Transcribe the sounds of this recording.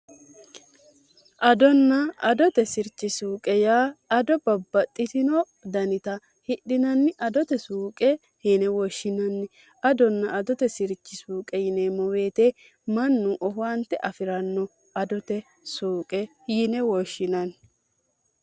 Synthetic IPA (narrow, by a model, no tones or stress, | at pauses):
ʔɐd̪ɔnːɐɐd̪ɔt̪ɛsɪɾt͡ʃːɪsuːkʼɛjaːɐd̪ɔbɐbːɐt̪ʼːɪt̪ɪnɔ | d̪ɐnɪt̪ɐ | hɪɗːɪnɐnːɪʔɐd̪ɔt̪ɛsuːkʼɛ | hinɛwɔʃːɪnɐnːɪ | ɐd̪ɔnːɐʔɐd̪ɔt̪ɛsɪɾt͡ʃːɪsuːkʼɛjɪnɛmɔwe̞ːt̪ɛ | mɐnːʊʔɔɦant̪ːɛʔɐfɪɾɐnːɔ | ɐd̪ɔt̪ɛ | suːkʼɛ | jinɛwɔʃːɪnɐn